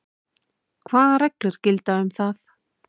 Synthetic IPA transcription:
kʰvaːðarɛklɪɾ̥cɪlt̪aʏmθaθ

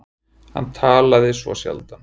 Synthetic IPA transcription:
ha̰nːt̪ʰaːlaðɪsvɔ̰sja̰lt̪an

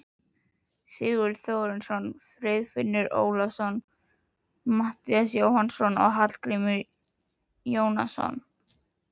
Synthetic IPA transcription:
sɪːɣʏɾθjoɣɾɪnsɔnfɾɪðfɪnːɪɾo̰ːwlasɔn | maht̪ias̬joːwhansɔnɔ̰ɣɦat̪l̥kɾɪmɪɾ | joːwna̰sɔ̰n

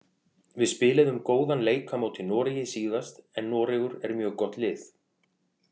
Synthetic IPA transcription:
vɪðspɪːlɪðʏmkoːwðanleːjkʰamaːwt̪ʰɪlnɔːɾɪjɪsiːðast̪ɛnːɔːɾɪɣʏɾɛɾmjœːɣkɔht̪lɪːθ

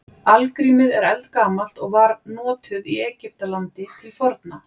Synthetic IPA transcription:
alkɾiːmɪðɛɾɛlt̪kaːmal̥t̪ɔɣvaɾnɔːt̪ʰʏðiɛːcɪft̪alant̪ɪt̪ʰɪlfɔɾt̪na

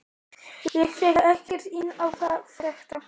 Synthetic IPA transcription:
jɛɣfɛːɣaɛhcɛɾ̥t̪ɪnːawθaðfɾɛxt̪a

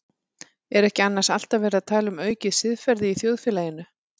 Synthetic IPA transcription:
ɛɾɛhcɪanːaɾ̥sal̥t̪avɛːɾɪaðt̪ʰaːlʏmœːɥcɪðsɪðfɛɾðɪiθjowðfɛːlajɪnʏ

